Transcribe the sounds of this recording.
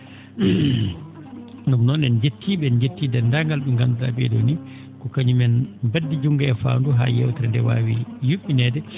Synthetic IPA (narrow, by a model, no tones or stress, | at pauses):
numnɔnɛnd͡ʒetːiːɓɛnd͡ʒetːidɛndaŋɡalɓɛŋɡanduɗa̰ɓɛ̰do̰ni | kɔkaɲumɛnbadːid͡ʒuŋɡaɛfa̰nduɦa̰jɛ̰wtɛɾndɛwa̰ːwijuɓːinɛdɛ